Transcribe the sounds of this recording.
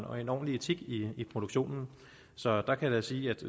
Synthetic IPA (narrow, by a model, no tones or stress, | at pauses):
nɒ̽enɒ̰ːnlit͡sʰiɡ̥iːpʰʁo̝d̥oɡ̥ɕo̝̰ːnn̩ | sɒ̽d̥ɑ̈kʰæjɑsiːæd̥